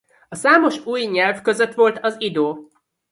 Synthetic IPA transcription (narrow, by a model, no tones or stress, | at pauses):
ɒsaːmo̞ʃuːjɲɛlvkø̞zøt̪ʋo̞lt̪ɒzid̪oː